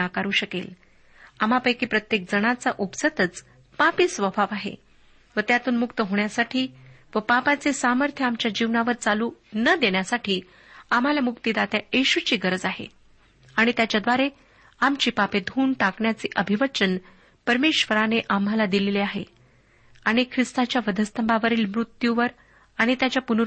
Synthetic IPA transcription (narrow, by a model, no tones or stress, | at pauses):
akaɾuːɕəkel | am̤apəjkiːpɾət̪jek̚d͡zəɽ̃at͡saʔupsət̪ət͡s | papiːsʋəbʱaʋaɦḛ | ʋət̪jat̪uːnmukt̪əɦoɳjasaʈʰiː | ʋəpapat͡sesaməɾt̪ʰjəamt͡ɕjad͡ʑiʋnaʋəɾt͡saluːnəd̪eɳjasaʈʰiː | am̤alamukt̪id̪at̪jaeɕut͡ɕiːɡəɾəd͡zaɦḛ | aɽ̃it̪jat͡ɕjad̪ʋaɾe | amt͡ɕiːpaped̪ʱuːɳʈ̪akɳjat͡seʔəbʱiʋət͡ɕən | pəɾmeɕʋəɾaneʔam̤alad̪ileleaɦḛ | aɽ̃ikʰɾist̪at͡ɕjaʋəd̪ʱəst̪əmbʱaʋəɾiːlmɾut̪juʋəɾ | aɽ̃it̪jat͡ɕjapunu